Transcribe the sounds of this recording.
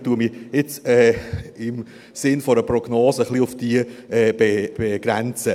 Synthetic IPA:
tuəmiɪt͡sɛːɪm | sɪnfɔɾəprɔɡ̥noːsəχliʊfd̥iəɛːb̥eb̥eɡ̥ɾɛnt͡sə

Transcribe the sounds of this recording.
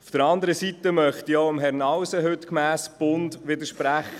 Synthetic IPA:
ufd̥əɾɑnd̪əɾəsit̪əmœχt̪ioʊəmɦɛɾnɑwsəɦɵt̪kmæːsb̥ʊnd̪ʋɪd̪əʃpɾæχə

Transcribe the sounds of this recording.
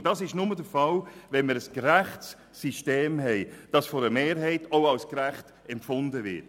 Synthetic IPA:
d̥ɑsɪʃnʊmədəfɑlvɛnməɾəskɾæχts | siʃteːmɦɛɪd̥ɑsfɔɾəmeːɾɦɛɪtʰoʊɑlskɾæχt | ɛmpfʊndəvɪt

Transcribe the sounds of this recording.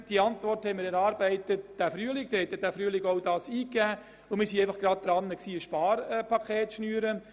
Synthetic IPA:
d̥iəɑntvɔrthɛɪmɪɾɛɾɑːɾbɛɪtət̚d̥æfɾyːəlɪk̚d̥ehɛt̪ːɛd̥æːfɾyəlɪkowdɑːsiːkæː | ʊmiːɾsiɛɪfɑχɡ̥ɾɑd̚d̪ɾɑnːəksiːəʃpɑːɾɛpʰɑkʰeːtʃnyːəɾə

